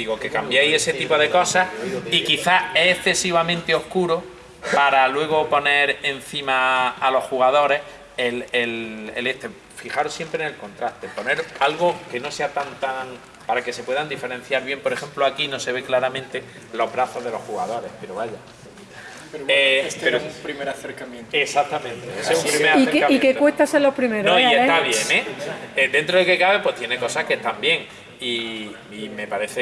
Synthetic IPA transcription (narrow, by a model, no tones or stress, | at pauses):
d̪iɣoke̞kambjeje̞se̞t̪ipo̞ðe̞ko̞sahikiθae̞ehθe̞siβ̞amẽnt̪eo̞hkuɾo | paɾalwe̞ɣ̞opo̞ne̞ɾen̟θimaːlo̞sxuɣaðo̞ɾe̞h | elelḛle̞ht̪e | fixaɾosje̞mpɾenelko̞nt̪ɾaht̪e̞pone̞ɾalɣoke̞no̞se̞at̪ant̪aŋ | paɾake̞se̞pwe̞ðand̪ife̞ɾe̞n̟θjaɾβje̞mpo̞ɾexẽ̞mploakino̞se̞β̞e̞klaɾamẽnt̪e | lo̞ɦβɾaθo̞zðe̞lo̞hxuɣað̞o̞ɾe̞hpe̞ɾo̞βaʝa | eɾepeɾoupɾimeɾaθeɾkamjẽnt̪esak̚t̪amẽnt̪eesesumpɾimeɾaeɾkamikekwest̪aselopɾimeɾnõiet̪aβje̞nẽed̪e̞nt̪ɾoðeke̞kaβepwe̞ht̪jeneko̞sahkest̪ambje̞ŋ | i | ime̞paɾe̞θe